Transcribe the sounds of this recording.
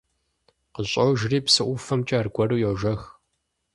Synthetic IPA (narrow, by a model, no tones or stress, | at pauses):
qəɕʼɐwʒriːpsɨʔʷʊfɐmt͡ʃʼɐrɡʷɐruːjɛʒɐx